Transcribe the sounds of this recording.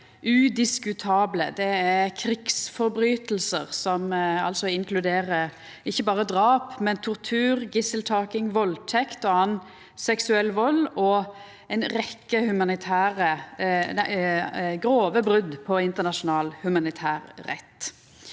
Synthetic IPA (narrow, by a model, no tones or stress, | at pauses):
ʔʉd̪ɪskʉt̪ʰɑːbləd̪ɛæʁkʰɾɪksfɔɾbɾyːt̪əl̩sə̰ʁsɔmɑ̰lsɔɪŋklʉd̪eːʁə | ɪçːəbɑːʁəd̪ʁɑːpmɛnt̪ʰɔʁt̪ʰʉːʁɡɪsəlt̪ʰɑːkɪŋʋɔlt̪ʰɛkt̪ɔɑn | sɛksʉɛlːʋɔlɔ | ɛnɾɛkːəhʉmɑnɪt̪ʰæːʁə | ɡɾoːʋəbɾʉd̪pʰɔɪnt̪əʁnɑʃʊnɑːlhʉmɑnɪt̪ʰæːʁːɛ̰t̪ː